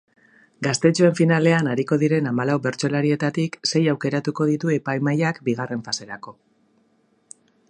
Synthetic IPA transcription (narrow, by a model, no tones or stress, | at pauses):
ɡast̪e̞t͡ʃue̞ɱfinale̞anaɾiko̞ð̞iɾe̞namalawbe̞ɾt͡so̞laɾie̞t̪at̪ikse̞jawke̞ɾat̪uko̞ðit̪ue̞pajmajakbiɣ̞are̞ɱfase̞ɾako̞